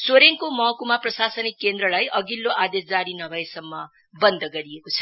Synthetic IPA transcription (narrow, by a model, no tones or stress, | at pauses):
soɾeŋkomʌɦkumaprʌsasʌnikːend̪rʌlajʔʌɡilːoʔad̪esd͡zaɾinʌbʱʌesʌmːʌ | bʌnd̪ʱʌɡʌɾiekot͡sʰʌ̥